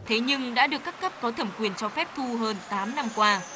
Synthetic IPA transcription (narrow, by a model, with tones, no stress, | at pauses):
t̪ʰe˨˦ɲɨ˧ŋɗa̰ː˧˥ɗɨ˨˩əkːa˦˥kːə˦˥p̚kɔ˨˦t̪ʰə˧˩mkwi˨˩ənt͡ɕɔ˧fɛ˦˥p̚t̪ʰu˧ɦəː˧nt̪aː˨˦mna˧mkwaː˧